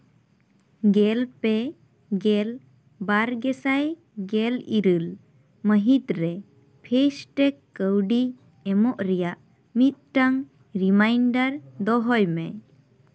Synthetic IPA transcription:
ɡɛlpɛ | ɡɛl | baɾɡɛsaj | ɡɛliɾɨl | məɦit̪ɾɛ | pʰesʈɛkːəwɖi | ɛmɔʔɾɛjaʔ | mit̪̚ˀʈaŋ | ɾimajɳɖaɾd̪ɔɦɔjmɛ̰

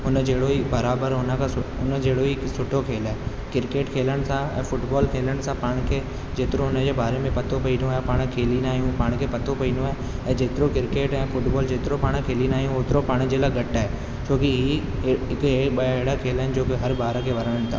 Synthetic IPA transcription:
ʊnəd͡ʑeːɽoibɐɾaːbəɾɦʊnəkʰasʊʊnəd͡ʑeːɽoiɪksʊʈʰːokʰeːlaːɦe | kɪɾkeːʈkʰeːləɽ̃̆sãɛ̰̃ːfʊʈbɔːlkʰeːləɽ̃̆sãpaːɽ̃kʰe | d͡ʑeːt̪ɪɾõɦʊnəd͡ʑeːbaːɾemẽpɐt̪opɐĩːnoaɦepaːɽ̃kʰeːlinaːɦijũpaːɽ̃kʰepɐt̪opɐĩːnoaːɦe | ɛ̃ːd͡ʑeːt̪ɪɾokɪɾkeːʈɛ̃ːfʊʈbɔːld͡ʑeːt̪ɪɾopaːɽ̃kʰeːlinaːɦijũoːt̪ɪɾopaːɽ̃d͡ʑeːlaːɡɐʈaːɦeː | t͡ɕʰoːkiɦi | ɪkeɓɐeːɽakʰeːlaːɪnɪd͡ʑoːkeɦɐɾbaːɾəkʰeʋɐɾəɽəɽ̃t̪ʰa̰ː

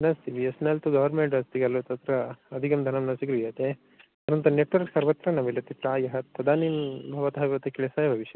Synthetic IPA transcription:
nɐst̪iʋiɐsnɐlt̪uɡɐʋɐɾmeɳʈɾɐst̪iɡɐlʋɐt̪ɐt̪ɾɐɐd̪ʱikɐmd̪ʱɐnɐmnɐsiɡɾuʋijɐt̪e | ɐɾɐnt̪ɐneʈʋɐɾksɐɾʋɐt̪ɾɐnɐmilɐt̪ipɾaːjɐɦɐɐd̪aːnimbʱɐʋɐt̪ɐɦɐʋiɾɐt̪ekiɭɐsaːjɐbʱɐʋiʃjɐ

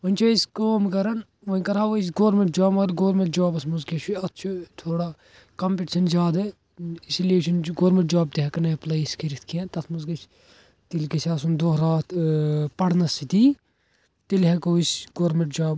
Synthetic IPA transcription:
ʋɐnʲt͡ʃʰɐiskoːmkɐɾɐn | ʋɐnkɐɾaːʋois̬ɡoːɾmeɳʈ̚d͡ʒaːmɐɾɡoːɾmeɳʈd͡ʒaːbɐsmuzkɐt͡ʃʰiɐt̪ːt͡ʃʰut̪ʰoːɽa | kɐmpeʈiʃɐnzʲjaːd̪ɐ | isileːʃɐnɡoːɾmẽɳʈd͡ʒaːb̚t̪iɦɐkɐnɐplɐiskʰiɾit̪ʰkʰiẽt̪ɐsmuzkɐt͡ʃ | t̪ilkɐsʲaːsund̪oːɦɾaːt̪ʰpɐɽnɐsit̪iː | t̪ilɦɐkoːisʲɡoːɾmeɳʈd͡ʒaːb

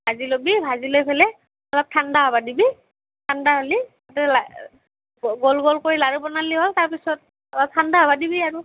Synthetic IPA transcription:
bʱazilobibʱazilojpʰɛlɛ | ɔlɔp̚tʰandaɦɔbadibi | tʰandaɦali | atɛla | ɡɔlɡɔlkoɹilaɹubɔnaliɦɔltaɹpisɔt̚ | ɔlɔp̚tʰandaɦɔbadibiaɹu

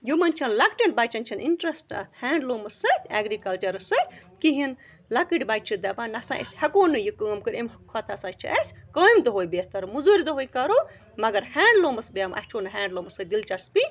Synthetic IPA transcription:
jumɐnt͡ʃʰɐnlɐkʈɐɳʈ̚baːt͡ʃʰɐnt͡ʃʰɐniɳʈɾɐsʈɐ̰t̪ʰhɛːɳɖloːmɐsɐt̪ʲʰaɡɾikɐlt͡ʃɐɾɐsɨkiɦin | lakiʈbajt͡ʃʰɨd̪ɐpaːnɐsã̰ʔḛsʲhɐkoːnɨjɨkɨːmkɨɾemɦkkʰɔt̪ʰɐsɐt͡ʃʰḭʔɐsʲkɐːimd̪ɐɦoːjbeht̪ɐɾɨmuzuɾd̪ɐɦoːjkɐɾo | mɐɡɐɾhaːɳɖloːmɐsbijɐmʔɐ̰ht͡ʃʰoːnɨɦʲaːɳɖloːmɐsɨd̪ilt͡ʃɐspi

